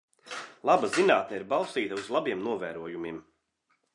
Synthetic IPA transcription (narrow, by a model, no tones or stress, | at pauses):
lˠabazinaːt̪̚nɛiɾbalˠst̪iːt̪ɐuzlˠabiɛmnuɔvæːɾuɔjumim